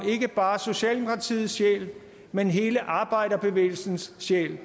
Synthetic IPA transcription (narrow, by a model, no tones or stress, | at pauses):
e̝ɡ̥əb̥ɑ̈ːso̝ɕɛ̰ːld̥emo̝kʰʁɑ̈t͡sʰḭːð̩ˠsɕḛl | menɦe̝ːləʔɑ̈ːb̥ɑ̈ɪ̰ɾ̥ɐb̥e̝ʋḛːl̩sn̩sːḛl